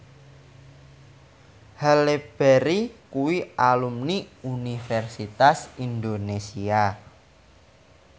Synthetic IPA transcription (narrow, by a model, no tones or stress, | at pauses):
haleb̥ɛɾikuwiʔalumniunifɛrsit̪asind̪onesia